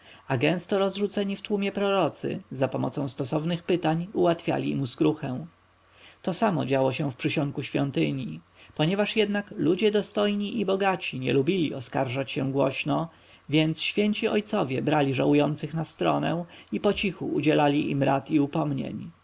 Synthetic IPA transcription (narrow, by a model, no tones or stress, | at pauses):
aɡɛ̃st̪ɔɾɔzʐut̪sɛɲift̪wumʲjɛpɾɔɾɔt̪sɘ̰zapɔmɔ̰t̪sɔ̃w̃st̪ɔsɔvnɘxpɘt̪aɲuwat̪fʲja̰lʲḭmuskɾuxɛw̃ | t̪ɔsamɔ̰d͡ʑawɔɕɛ̃fpʂɘɕɔŋkuɕfʲjɔnt̪ɘɲi | pɔɲɛvaʂjɛd̪naklud͡ʑɛd̪ɔst̪ɔjɲiʔibɔɡat͡ɕiɲɛ̰lubʲilʲiɔskaɾʐat͡ɕɕɛ̃w̃ɡwɔɕnɔ | vʲjɛnt̪sɕfʲjeɲt͡ɕiɔjt̪sɔvʲjɛbɾalʲiʐawujɔnt̪sɘxnast̪ɾɔnɛ̰̃ipɔt͡ɕixṵːd͡ʑɛlalʲiʔimɾat̪iupɔmɲḛɲ